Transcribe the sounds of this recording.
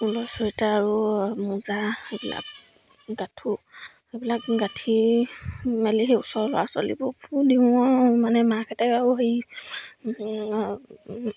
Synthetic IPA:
ulɔsɔitaːɹumuzaebila̰k̚ | ɡatʰu | ebilakɡatʰi | maliɦeusɔɹlʊ̰waso̰lḭbɔpʰudĩɔmanɛmakʰɛtaauɦij

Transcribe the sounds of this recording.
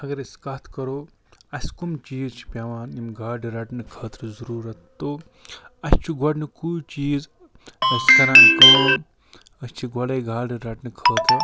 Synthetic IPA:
ɐɡɐɾɐskɐt̪ʰkɐɾoː | ɐskumt͡ʃiːzt͡ʃʰi̥pʲaʋaːnimɡaːɖiɾɐʈnɨkʰəːt̪ɾzɐɾuːɾɐt̪t̪oː | ɐst͡ʃʰiɡɐɽnɨkut͡ʃiːz | sk̪ɐɾãːnkuː | ɐst͡ʃʰiɡɐɽeːɡʱaːɽiɾɐʈnɨkʰəːt̪ɾɐ

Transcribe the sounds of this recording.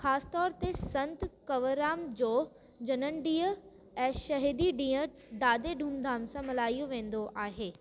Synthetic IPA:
xaːsɪ̥t̪ɔːɾt̪esɐ̃nt̪kɐʋəɾaːmd͡ʑoː | d͡ʑɐnənɖiːə | ɛ̃ːʃɐɦid̪iɖĩːə | ɖaːd̪eɖʱũːmd̪ʱaːmsãmɐlaːijuʋẽːn̆d̪oʔaːɦeː

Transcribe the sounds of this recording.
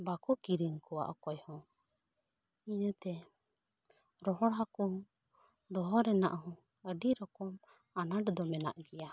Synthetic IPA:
bakɔkiɾiŋkɔwa̰ʔɔkɔjhɔ̃ | inət̪ɛ | ɾɔɦɔɽɦakɔ | d̪ɔɦɔɾɛnaʔhɔ̃ | əɖiɾɔkɔm | anaɖd̪ɔmɛna̰ʔɡɛja

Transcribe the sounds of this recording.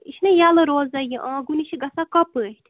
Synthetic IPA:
iʃnɨjalɨɾoːzɐjiʔãːɡuniʃiɡɐsakɐpɨt̪ʰʲ

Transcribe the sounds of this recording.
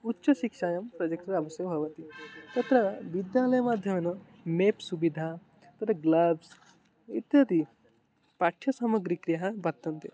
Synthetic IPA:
utːʃɐʃikʂaːjɐmpɾɐd͡ʒɐkʈɐɾɐbɐsjɐʋɐbʱɐʋɐt̪it̪ɐt̪ɾɐʋid̪jaːlɐjɐmaːd̪ʱjɐmɐnɐ | meːpsubid̪ʱa | t̪ɐt̪ɐɡlɐbs | it̪jɐt̪i | paʈʰːjɐsɐmɐɡɾikɾijɐɦɐbʱɐk̚t̪ɐnt̪e

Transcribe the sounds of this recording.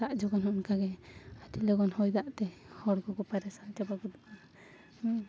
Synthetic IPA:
saʔd͡ʒɔɡɔnɦɔnkaɡɛatilɔɡɔnhɔjd̪aʔt̪ɛhɔɽɡɔkɔpaɾɛsad͡ʒabaɡɔd̪ɔkɔn | hɔ

